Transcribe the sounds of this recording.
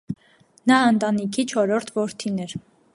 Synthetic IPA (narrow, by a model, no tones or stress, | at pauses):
nɑənt̪ɑnikʰit͡ʃʰɔɾɔɾt̪ʰvɔɾt̪ʰinɛɾ